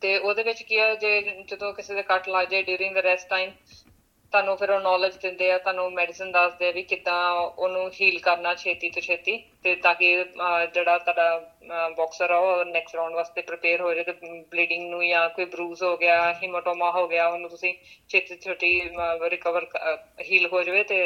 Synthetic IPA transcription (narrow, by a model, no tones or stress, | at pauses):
t̪eːoːd̪eːʋɪt͡ʃkɪɛːd͡ʒeːt͡ʃʊd̪õːkɪseːd̪eːkəʈlaːɡd͡ʒaːeɖjuːɾɪ̃ŋɡd̪əɾɛːsʈːaːim | t̪aːnũːpʰɪɾoːnɔːləd͡ʒd̪ɪ̃nd̪eːɛːt̪oaːnũːmɛːɖɪsənd̪əsd̪eːɛːʋikɪd̪ãːoːnũːɦiːlkəɾnaːt͡ʃʰeːt̪iːt̪et͡ʃʰeːt̪iːt̪eːt̪ãːkɪd͡ʒeːɽaːt̪ʊaːɖaːbɔːksəɾɛːɔnɛːksʈɾaːʊɳɖʋaːst̪eːpɾɪpeːɾɦoːd͡ʒaet̪eːbliːɖɪ̃ŋɡnũːjãːkoːiːbɾuːzɦoːɡɪaːɦɪmoːʈoːmaːɦoːɡɪaːonũːt̪ʊsĩːt͡ʃʰeːt̪iːt͡ʃʰoʈiːɾɪkəʋəɾɦiːlɦoːd͡ʒaːʋeːt̪eː